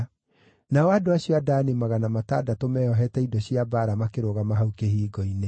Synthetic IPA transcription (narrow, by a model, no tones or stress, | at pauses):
naɔadoaɕiɔadaːnemaɣanamata̰ːdatomɛːɔɦɛtɛidɔɕiabaːɾamakeɾoɣamaɦaukehiːɡɔine